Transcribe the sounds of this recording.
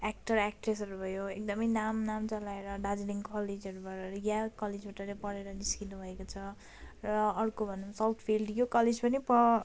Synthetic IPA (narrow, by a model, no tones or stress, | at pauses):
ak̚ʈʌɾak̚ʈres̬ʌɾubʱʌjoek̚d̪ʌmʌjnamnamt͡sʌlaeɾʌɖad͡zniŋkʌled͡zʌɾubʱaɾʌjakʌled͡zbʱaʈʌlepʌɾeɾʌniskinubʱʌekot͡sʰʌ | rʌʌrkobʱʌnumsawt̪ʰpʰilɖjokʌled͡zpʌnipʌ